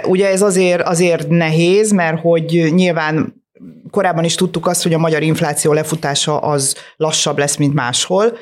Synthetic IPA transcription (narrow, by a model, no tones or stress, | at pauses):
uɟɛɛzɒzeːrɒzeːrt̪nɛɦeːzmɛrho̞ɟɲilvaːn | ko̞ɾaːbːɒniʃt̪ut̪ːukɒst̪ho̞ɟɒmɒɟɒɾiɱflaːt̪sijoːlɛfut̪aːʃɒʔɒzlɒʃːɒblɛsmint̪maːʃho̞l